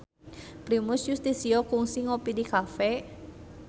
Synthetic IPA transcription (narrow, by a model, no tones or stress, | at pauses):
pɾimʊsjust̪isiɔkuŋsiŋopidikafɛ